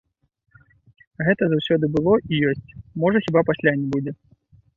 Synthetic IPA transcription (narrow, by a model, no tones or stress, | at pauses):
ɣɛt̪ɐzawsʲɔd̪ɨbɨlˠɔʔijɔsʲt͡sʲmɔʐɐxʲibapasʲlʲanʲɛbud͡zʲɛ